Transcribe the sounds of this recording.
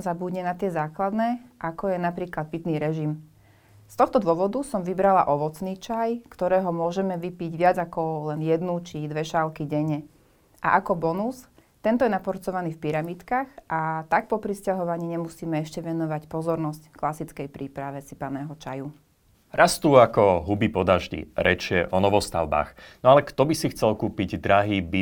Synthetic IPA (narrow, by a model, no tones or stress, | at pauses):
mzabuɟɲɛnat̪ɪɛzaːklad̪nɛːʔakɔjɛnapɾiːklad̪̚pit̪niːɾɛʒim | st̪ɔxt̪ɔd̪ʊɔʋɔd̪usɔmʋibɾala̰ʔɔʋɔt͡sniːt͡ʃajkt̪ɔɾɛːɦɔmʊɔʒɛmɛʋipiɟʋɪad͡zakɔlɛnjɛd̪nut͡ʃid̪ʋɛʃalkiɟɛɲɛ | ʔa̰ʔakɔbɔnus | t̪ɛnt̪ɔjɛnapɔɾt͡sɔʋaniːfpiɾamit̪kaxʔat̪ak̚pɔpɾiscaɦɔʋaɲiːɲɛmusiːmɛɛʃcɛʋɛnɔʋacpɔzɔɾnɔscklasit͡skɛjpɾiːpɾaʋɛsipanɛːɦɔt͡ʃa̰ju | ɾast̪uːakɔɦubipɔd̪aʒɟḭɾɛt͡ʃɪɛʔɔnɔʋɔst̪a̰ʊba̰ːxnɔalɛkt̪ɔbisixt͡sɛlkuːpiɟd̪ɾaɦiːbi